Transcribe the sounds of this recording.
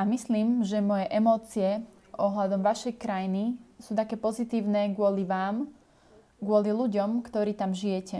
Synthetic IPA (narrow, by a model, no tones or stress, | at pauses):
amisliːmʒɛmɔjɛʔɛmɔːt͡siɛ | ʔɔɦlad̪ɔmʋaʃɛjkɾajnisuːt̪akɛːpɔzit̪iːʊnɛːɡʊɔliʋaːm | ɡʊɔliluɟɔmkt̪ɔɾiːt̪amʒijɛcɛ